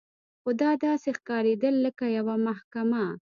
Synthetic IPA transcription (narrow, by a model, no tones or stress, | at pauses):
xod̪ɑd̪ɑsexkɑɾed̪əlːəkajawamahkama